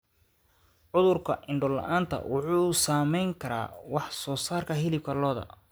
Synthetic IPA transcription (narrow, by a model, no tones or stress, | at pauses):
ʕʊðʊrkʰɐʔɪɳɖɔlɐ̰ʔaːnt̪ʰɐ̰wʔɑħuːsaːmɛjŋkʰɐɾa̰ːwɑħsɔːsaːrkʰɐɦɪlɪb̚kʰɐlɔːðɐ̰